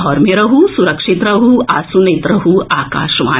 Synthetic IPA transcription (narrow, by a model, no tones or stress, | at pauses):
ɔːɾmeɾɐɦusuɾɐkʂit̪ɾɐɦuaːsunɐjt̪ɾɐɦuaːka̰ːʃʋa̰ː